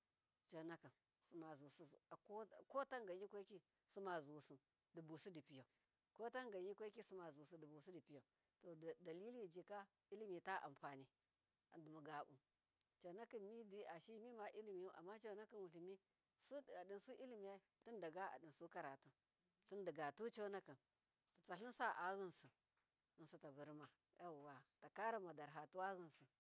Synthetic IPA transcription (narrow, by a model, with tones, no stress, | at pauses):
t͡ʃa˨na˦ki˨n | su˨ma˨zu˨si˦u˨ko˦˨ko˦ta˦ŋɡa˨ji˦kʷa˦ki˦ | su˦ma˨zu˨si˨n | di˨bu˨su˦di˨pi˦ja˨ | ko˦ta˦ŋɡa˨ji˦kʷa˦ki˦sma˨zu˨si˦di˨bu˨si˦di˨pi˦ja˨ | to˨da˨li˦li˦˨d͡ʒi˨ka˦ | i˦li˦mi˨ta˦ʔa̰˨mpa˨ni˦ | a̰˨du˨mu˨ɡa˨bṵ˨ | t͡ʃa˨na˦ki˨nmi˦di˦a˨ʃi˦mi˦ma˨ʔi˦li˦mi˨ju˦ʔa̰˨mːa˦t͡ʃa˦˨na˦ki˦nwu˨ɬi˨mi˦ | su˦˨a˨di˨nsu˦ʔi˦li˦mi˨ja˦ti˦n˦da˨ɡa˦a̰˨di˨nsu˦ka˦ɾa˨tu˦ | ɬu˦n˦də˨ɡa˨tu˦t͡ʃa˦na˦ki˨n | tu˨t͡sa˨ɬi˦n˦sa˦ʔa˨˦ɣu˦nsu˨ | i˨n˨su˨ta˨bu˨ɾma˨ | ja˦˨wa˨ta˨ka˦ɾa˦ma˨da˨ɾɦa˨tu˦wa˦ɣi˦nsu˨